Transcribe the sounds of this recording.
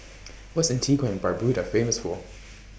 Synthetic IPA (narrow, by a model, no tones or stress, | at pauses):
wʌtsɨ̃ntʰiɡwɛ̃nbaɹbɹʉɾəfẽɪ̃məsfɔlˠ